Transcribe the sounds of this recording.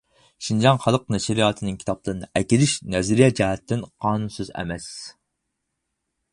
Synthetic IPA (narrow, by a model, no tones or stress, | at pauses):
ʃind͡ʒɑŋχɑlˠəq̚nɛʃɾijɑːt̪ʰɨnɪŋkʲʰi̥t̪ɑplˠɨɾɨnɨʔɛkʲilɪʃnɛzɾijɛd͡ʒɛɦɛt̪ʰːɪnqʰɑːnunsyzɛ̰mɛs